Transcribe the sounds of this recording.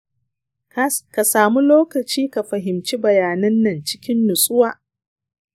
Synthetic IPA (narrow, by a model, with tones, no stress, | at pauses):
ka˨saː˨mu˦loː˦kɐ˨t͡ʃiː˦ka˨ɸɐ˨ɦɪ˨mt͡ʃi˦bɐ˨jaː˨nɐ˦nːɐ˨nt͡ʃɪ̥˦kʲɪ˦nːʊ˨sʼʊ˦waː˨